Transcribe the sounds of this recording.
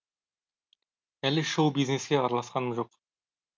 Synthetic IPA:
ælɪʃowbizneskʲeɑɾɑlˠɑsqɑnəmʒoq

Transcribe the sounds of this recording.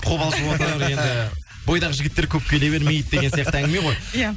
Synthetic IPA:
qʰo̞βɑlˠʒəwot̪nɑɾe̞nd̪ɪ | bo̞jd̪ɑʁəʒɪɡʲɪt̪ːe̞ɾkʲʰɵp̚kʲʰe̞leβe̞ɾme̞jt̪̚eɡesijɑqt̪əæŋɡʲɪmeʁo̞jja

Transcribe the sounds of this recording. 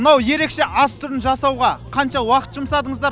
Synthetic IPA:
ənɑwje̞ɾe̞kʃe̞ʔɑst̪ʰʊɾɪnʒɑsɑwʁɑqʰɑnʃɑwɑqə̥t̪ʒ̥ʊmsɑd̪əɴəzd̪ɑɾ

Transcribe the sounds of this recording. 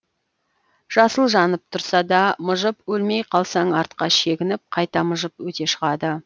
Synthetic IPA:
ʒ̥ɑsəlˠʒɑnəp̚t̪ʰʊɾsɑd̪ɑmʊʒəpwɵlmejqʰɑlˠsɑɴɑɾt̪̚qɑʃe̞ɡʲɪnɪp̚qʰɑjt̪ɑmʊʒəpwɵt̪e̞ʃəʁɑd̪ə

